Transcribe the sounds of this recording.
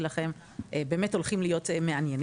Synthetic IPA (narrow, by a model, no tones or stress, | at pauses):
laχe̞m | ʔebeːmeto̞lχimlijo̞temeanjen